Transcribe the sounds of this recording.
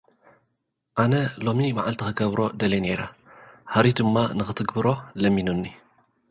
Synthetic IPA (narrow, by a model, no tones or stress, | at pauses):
ʔanɐlo̞mimaʕalt̪ʰixɨɡɐβɾo̞d̪ɐleneɾɐhaɾid̪ɨmːanɨxɨt̪ʰɨɡbɨɾo̞lɐmːinunːi